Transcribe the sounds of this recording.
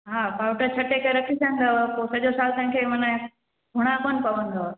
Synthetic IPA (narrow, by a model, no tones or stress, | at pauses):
ɦaːbʱaːʊʈət͡ɕʰɐʈekɐɾɐkʰisʰɐ̃nd̪opoːsɐʄosaːlt̪ɐ̃ɦɪ̃kʰemɐnə | ɡʱʊɽ̃akoːnpɐʋə̃nd̪o